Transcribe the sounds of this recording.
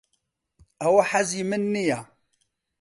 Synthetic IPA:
awaħazjəmənːija

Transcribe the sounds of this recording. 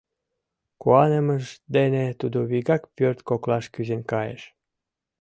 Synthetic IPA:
kuɑneməʃd̪enet̪ud̪uβiɣɑkpørt̪koklɑʃkyzenkɑjḛʃ

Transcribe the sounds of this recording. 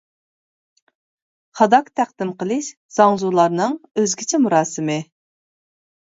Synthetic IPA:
χɑd̪ɑkt̪ʰæχd̪ɪmqəlˠɨʃ | z̥ɑŋzulˠɑɾnɨŋøzɡʲiɪt͡ʃʰɛmuɾɑːsɨmɪ

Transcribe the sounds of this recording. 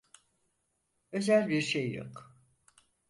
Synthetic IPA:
ø̞zælʲbiɾʃejːo̰k

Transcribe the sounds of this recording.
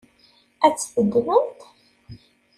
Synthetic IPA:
æt͡sːθəd̪wənt̪

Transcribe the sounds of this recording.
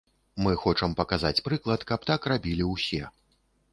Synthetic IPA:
mɨxɔt͡ʂɐmpɐkazat͡sʲpɾɨklˠɐt̪kɐp̚t̪akrabʲilʲiwsʲɛ

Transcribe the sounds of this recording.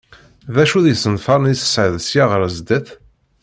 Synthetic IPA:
ðæʃuðjəsənfɑɾˤnisə̥sʕəðsjaʁəɾəzd̪əθ

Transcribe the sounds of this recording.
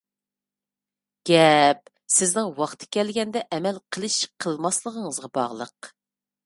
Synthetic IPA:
ɡ̥ʲɛp̚ | sɪznɪŋwɑχt̪ʰɪ̥kʲɛlɡʲɛnd̪ɛʔɛmɛlqʰəlˠɨʃqʰəlˠmɑslˠəʁəŋəzʁɑbɑ̰ʁlˠəq

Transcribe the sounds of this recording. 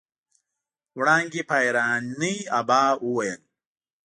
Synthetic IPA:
wɽaːŋɡipajɾaːnːijabaːuwɐjɐn

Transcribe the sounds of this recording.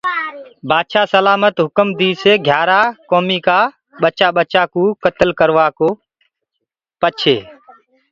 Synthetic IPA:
bʱaːd̪ʃaːsəlaːmət̪ɦʊkəmd̪iːseːɡʱjaːɾaːkoːmiːkaː | ɓət͡ʃaːɓət͡ʃaːkũːkət̪əlkəɾʋaːkoː | pət͡ʃʰeː

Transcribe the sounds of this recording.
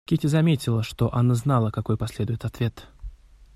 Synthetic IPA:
kʲitʲɪzɐmʲetʲɪlˠəʂt̪o̞ʔɐnaznalˠəkɐko̞jpɐsʲlʲe̞d̪ʊjɪt̪ɐt̪vʲe̞t̪

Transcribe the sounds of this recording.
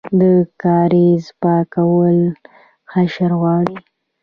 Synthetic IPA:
d̪əkɑɾizpɑkawəl | xaʃaɾɣwɑɽi

